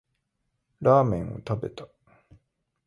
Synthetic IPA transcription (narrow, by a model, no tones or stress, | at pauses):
ɾaːmẽ̞ɰ̃o̰t̪abe̞t̪ḁ